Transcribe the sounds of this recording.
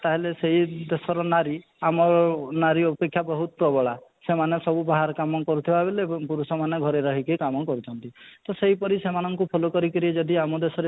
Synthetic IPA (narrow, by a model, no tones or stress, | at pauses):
t̪aɦeleseɦid̪esɔɾɔnaɾi | amɔnaɾiɔpekʰːjabɔɦut̪̚pɾɔbɔɭasemanesɔbubaɦaɾkamɔkɔɾut̪ʰibaebelepuɾusɔmaneɡʱɔɾeɾɔɦikekamɔkɔɾut͡ʃʰɔnt̪it̪ɔseɦipɔɾisemanɔŋkupʰolokɔɾikɔɾied͡ʒɔd̪iamɔd̪esɔɾe